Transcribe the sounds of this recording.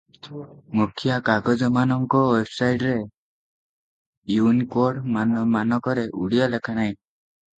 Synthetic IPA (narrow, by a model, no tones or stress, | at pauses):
mukʰjakaɡɔd͡ʒɔmanɔŋkɔwebsajɖɾe | junkoɾɽmanmanɔkɔɾeʔuɽijɔlekʰanaj̃